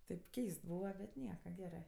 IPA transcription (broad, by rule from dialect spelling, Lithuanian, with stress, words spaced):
tʲeːp ˈkʲɛɪst ˈbuːʋɐ bʲɛt ˈnʲiɛkɐ ˈɡʲæːrɜ